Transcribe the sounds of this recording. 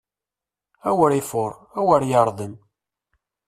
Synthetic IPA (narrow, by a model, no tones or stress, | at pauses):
æwəɾifʊɾˤæwəɾjəɾˤðˤən